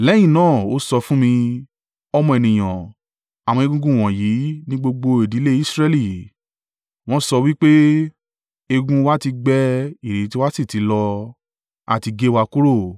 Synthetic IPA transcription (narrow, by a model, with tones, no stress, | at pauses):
lɛ˦j̃ĩ˦˨nãː˦˨o˦sɔ˧fũ˦mĩ˧ | ɔ˧mɔ̃˧e˨nĩ˨j̃ã˨ | a˨w̃ɔ̃˧e˧ɡũ˦ɡũ˦˨w̃ɔ̃˨ji˨˦nĩ˦ɡ͡bo˧ɡ͡bo˧e˨di˨˦le˦i˦sɾɛ˧li˦˨ | w̃ɔ̃˦sɔ˧wi˦k͡pe˦ | e˧ɡũ˦wa˦ti˧ɡ͡bɛ˦i˨ɾe˨˦ti˦wa˦si˦˨ti˨˦lɔ˧ | a̰˦˨ti˧ɡe˦wa˧ku˦ɾo˦˨